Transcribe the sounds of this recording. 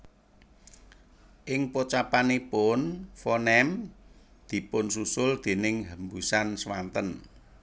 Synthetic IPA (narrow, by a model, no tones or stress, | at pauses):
ʔɪŋpot͡ʃapanepʊnfɔnɛm | d̪̥i̤pʊnsusʊld̪̥e̤nɪŋɦəmbusanswant̪ən